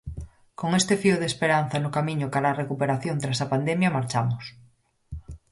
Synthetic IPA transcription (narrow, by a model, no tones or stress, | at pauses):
koŋest̪efioð̞espeɾan̟θanokamĩɲokaɾarekupeɾaθjont̪ɾasapand̪emjamaɾt͡ʃamos